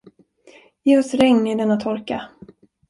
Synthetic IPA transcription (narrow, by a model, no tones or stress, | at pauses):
jeːɔsɾɛŋnɪd̪ɛnːat̪ʰɔɾka